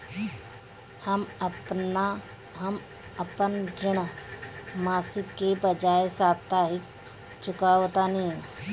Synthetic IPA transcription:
həm | ɦəm | əpənd͡ʒɾɪɳ | maːsɪkːebəd͡ʒaːesaːbt̪aːɦɪk | t͡ʃʊkaot̪anĩ

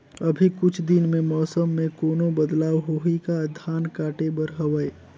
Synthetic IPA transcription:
ɐbʱikʊt͡ʃʰd̪ɪnmẽmɔːsəmːẽkoːnõbəd̪laːwɦoɦikad̪ʱaːnkaːʈebəɾɦɐʋəe

